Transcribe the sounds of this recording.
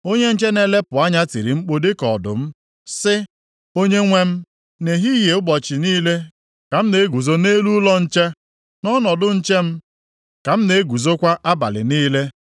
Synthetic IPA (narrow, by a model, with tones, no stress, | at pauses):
o˦ɲe˦n̩˦t͡ʃe˦ne˨le˦pʊ˨a˦ɲa˦ti˨ɾḭ˨ŋ͡m̩˦k͡po˦de˦kɔ̰˨dʊ̰˨m̩˦ | sɪ˦ | o˦ɲe˦ŋʷe˦m̩˦ | ne˨ɦi˦je˨ʊ˦bɔ˨t͡ʃɪ˨niː˦le˦ | ka˨m̩˦ne˨e˦ɡu˨zo˦ne˦lu˦lɔ˦n̩˦t͡ʃe˦ | nɔ˦nɔ˨dʊ˦n̩˦t͡ʃe˦m̩˦ | ka˨m̩˦ne˨e˦ɡʷu˨zo˦kʷa˦ʔa˦ba̰˨lɪ̰˨niː˦le˦